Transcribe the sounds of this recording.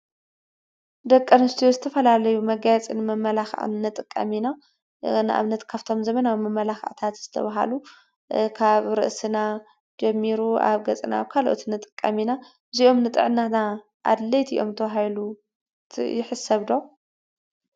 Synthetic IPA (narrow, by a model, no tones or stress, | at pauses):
d̪ɐkʼːɐnɨst̪ʰijozɨt̪ʰɐfɐlalɐjumɐɡajat͡sʼinɨmɐmːɐlaxʕ̰nɨt̪ʼɨkʼːɐ̰mina | nʔa̰βnɐt̪kʰaβt̪ʰo̞mzɐmɐnawmɐmːɐlaxʕt̪ʰat̪z̥ɨt̪ʰɐ̰βaɦa̰lu | kʰaβɾɨ̰ʔsɨna | d͡ʒɐmːiɾua̰βɡɐt͡sʼɨna̰βkʰaloʔo̰t̪nɨt̪ʼɨkʼːɐmina | ziʔo̞mnɨt̪ʼɨ̰ʕnana | ʔa̰d̪lɐjt̪ḭʔo̞̰mt̪ʰɐβaɦajlu | jɪħɨsɐβd̪o̞